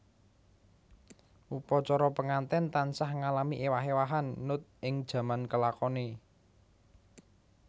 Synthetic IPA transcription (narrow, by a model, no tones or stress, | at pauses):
ʔupɔt͡ʃɔɾɔpəŋant̪ɛnt̪ansahŋalamiʔewaɦewaɦanːʊt̪̚ʔɪŋd̥ʒ̥ä̤mankəlakɔne